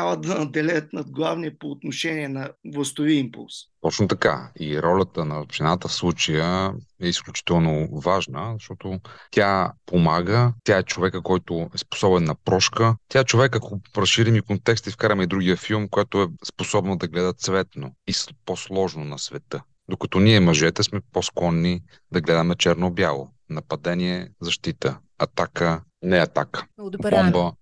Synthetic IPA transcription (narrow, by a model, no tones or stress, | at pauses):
avəd̪ɐnɐd̪ɛlʲɛt̪nɐd̪ɡlˠavniɛpoːt̪noʃɛniɛnɐvlˠəst̪oviəimpṵlˠst̪ɔt͡ʃnot̪ɐka̰iɾɔlʲət̪ənɐʒ̥ɛnat̪əfslˠut͡ʃəjəɛisklʲut͡ʃi̥t̪ɛlˠnovaʒnəzɐʃt̪ɔt̪ot̪ʲjapomaɡət̪ʲjaɛt͡ʃovɛkəkɔjt̪ʊɛspo̥sɔbɛnːɐpɾɔʃkət̪ʲjaɛt͡ʃovɛkɐkoɾɐsʃiɾimikont̪ɛkst̪ifkaɾɐmɛid̪ɾuɡijəfilˠmkojat̪ʊɛsposɔbnod̪ɐɡlɛd̪ət̪svɛt̪noisposlˠɔʒnonɐsvɛt̪ɤ | d̪okɐ̥t̪ɔniɛmɐʒɛt̪ɛsmɛposklˠɔnːi | d̪ɐɡlɛd̪əmnɐt͡ʃɛɾnobjalˠo̰ | nɐpɐd̪ɛniɛzɐʃt̪it̪ə | ɐt̪akə | nɛɐt̪akə̥bɔmbə